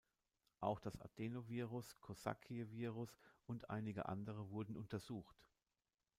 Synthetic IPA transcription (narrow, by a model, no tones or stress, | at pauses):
ʔaʊxd̥asʔa̰tʰeːnoviːʁʊskʰoza̰kʰiviːʁʊsʔʊntʔa̰ɪnɪɡə̰ʔa̰ndəʁ̞əvʊɐdn̩ʔʊntɐzuːxt